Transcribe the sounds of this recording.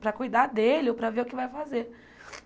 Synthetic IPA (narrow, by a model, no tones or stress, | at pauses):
pɾɐkujd̪ad̪elɪopɾɐveɾʊkɪvajfazeɾ